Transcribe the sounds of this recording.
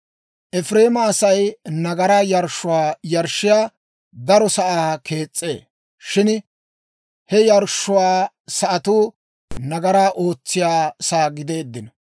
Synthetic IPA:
ʔɛfɾe̞ːmɐːsɐjnɐɡɐɾajɐɾʃʊwaːjɐɾʃɪjaː | d̪ɐɾɔsɐʔaːkʰe̞ːt͡sʼːe̞̰ː | ʃɪn | hɛjɐɾʃːʊwaː | sɐʔɐt̪uː | nɐɡɐɾaːʔo̞ːt͡sːɪjaːsaːɡɪd̪e̞ːd̪ːɪnɐ

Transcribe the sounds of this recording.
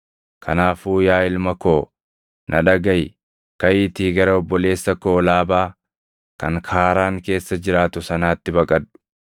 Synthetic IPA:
kʰɐnaːfuːjaːɪlmɐkoː | nʔɐᶑɐɡɐj | kɐjɪt̪iːɡɐɾɐɔbːɔle̞ːsːɐkoːlaːbaː | kɐŋkʰaːɾaːŋke̞ːsːɐd͡ʒɪɾaːt̪ʊsɐnaːt̪ːɪbɐkʼɐᶑʊ̥

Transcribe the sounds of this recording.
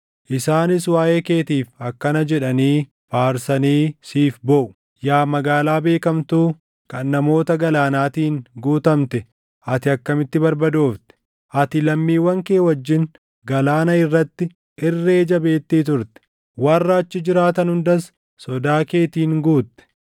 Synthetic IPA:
ʔɪsaːnɪswaːje̞ːke̞ːt̪iːfɐkːɐnɐd͡ʒɛᶑɐniː | faːɾsɐniːsiːfbɔʔʊ̥ | jaːmɐɡaːlaːbe̞ːkɐmt̪uː | kɐnːɐmo̞ːt̪ɐɡɐlaːnaːt̪iːŋɡuːt̪ɐmt̪ɛ | ʔɐt̪ɪɐkːɐmɪt̪ːɪbɐɾbɐd̪o̞ːft̪ɛ̥ | ʔɐt̪ɪlɐmːiːwːɐŋke̞ːwɐd͡ʒːɪn | ɡɐlaːnɐɪrːɐt̪ːɪ | ɪrːe̞ːd͡ʒɐbe̞ːt̪ːiːt̪ʊɾt̪ɛ̥ | wɐrːɐːt͡ʃːɪd͡ʒɪɾaːt̪ɐnhʊnd̪ɐs | sɔd̪aːke̞ːt̪iːŋɡuːt̪ːɛ̥

